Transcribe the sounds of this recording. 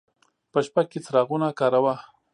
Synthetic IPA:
pəʃpaɡ̚ket͡sɾɑɣunakɑɾawa

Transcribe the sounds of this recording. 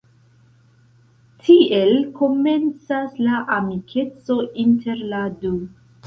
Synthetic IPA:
tʰie̞lko̞me̞nt͡saslaʔamikʰe̞t͡so̞ʔintʰe̞ɾladu

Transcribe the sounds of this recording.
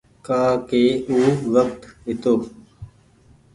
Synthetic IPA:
kaːkeːuːʋək̚t̪ɪt̪oː

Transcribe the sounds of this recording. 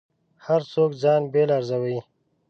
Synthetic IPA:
haɾsoːkzɑːnbeːlaɾzawai

